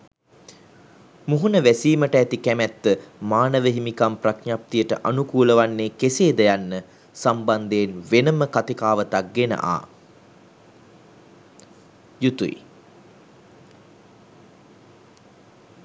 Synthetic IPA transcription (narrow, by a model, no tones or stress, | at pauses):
muɦunəʋæsiːməʈəæt̪ikæmɛt̪ːəmaːnəʋəɦimikampraknjap̚t̪ijəʈəʔanukuːləʋanːeːkeseːd̪əjanːə | samband̪eːnʋenəməkat̪ikaːʋət̪ak̚ɡenə̰ʔa̰ː | jut̪uḭ